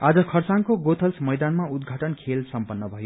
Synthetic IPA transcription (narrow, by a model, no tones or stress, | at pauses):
ad͡zʌkʰʌrsankoɡot̪ʰʌlsmʌjd̪anmaud̪ɡʱaʈʌnkʰelsʌmpʌnːʌbʱʌjo